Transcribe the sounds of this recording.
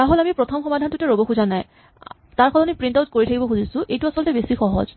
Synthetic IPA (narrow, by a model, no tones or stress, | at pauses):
taɹɦolamipɹɔtʰɔmxɔmadʱantʊtɛɹobɔxuzanaj | taɹkʰɔlanipɹintaʊt̚koɹitʰakibɔxuzisʊ̃ʔejtuasɔlɔtɛbesixɔɦɔ̰z